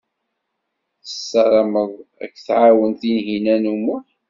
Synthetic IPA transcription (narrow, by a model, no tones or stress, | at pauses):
θəsːɑɾˤɑməðˤæ̰kːθʕawənt̪inɦinænumu